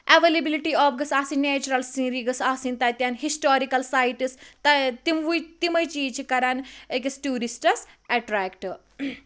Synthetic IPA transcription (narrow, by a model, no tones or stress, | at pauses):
ʔeʋelebiliʈiɔːfɡɐsaːsinːeːt͡ʃuɾɐlsĩnɾiɡɐsaːsint̪ɐjt̪janɦisʈoːɾikɐlsaːjʈist̪ɐt̪imʋujt̪imɐjt͡ʃiːt͡ʃʰikɐɾanek̬esʈuːɾisʈɐsɛʈɾɛːkʈ